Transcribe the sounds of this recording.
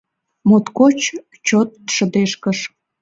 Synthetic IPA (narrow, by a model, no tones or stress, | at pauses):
mot̪kot͡ɕ | t͡ɕot̪ʃəd̪eʃkəʃ